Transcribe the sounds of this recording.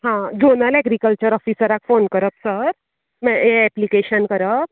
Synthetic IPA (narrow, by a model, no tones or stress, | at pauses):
ɦãd͡ʑonəlɛɡɾikəlt͡ɕəɾɔfisəɾakfonkəɾəpsəɾ | mɛeːplikeɕənkəɾəp̚